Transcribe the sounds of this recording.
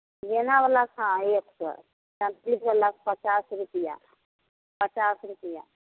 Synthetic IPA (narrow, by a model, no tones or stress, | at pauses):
jenaʋəlakɦãeːksə̰ | tə̃nt̪lipəlakpət͡ʃaːsɾupija̰ | pət͡ʃaːsɾupija̰